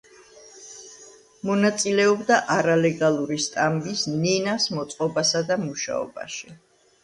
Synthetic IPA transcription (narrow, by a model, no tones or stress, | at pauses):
mɔnat̪sʼilɛɔbd̪aʔaɾalɛɡalˠuɾist̪ʼambisninasmɔt̪sʼqʼɔbasad̪amuʃa̰ɔ̰ba̰ʃi